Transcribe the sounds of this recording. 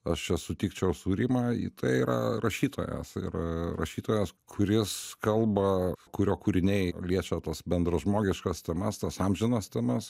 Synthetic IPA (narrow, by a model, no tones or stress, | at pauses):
ɐʃt͡ʃʲɛsʊt̪ʲiːkt͡ʃʲɛʊsuːɾʲiːmɑːḭːt̪ɐɪiːɾɐ̰rɐʃʲiːt̪o̰ːjɛ̰sɪ̰ɾɐrɐ̰ʃʲiːt̪oːjɛskʰʊɾʲɪskɐlˠbɐkʊɾʲoːkuːɾʲɪnʲɛɪlʲiɛt͡ʃʲɛt̪ɐsbʲɛnd̪ɾɐʒmoːɡʲɪʃkɐst̪ʲɛmɐst̪ɐsɑːmʲʒʲɪnɐst̪ʲɛmɐs